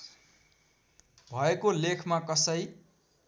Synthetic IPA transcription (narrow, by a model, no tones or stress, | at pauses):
bʱʌekolekʰmakʌsʌj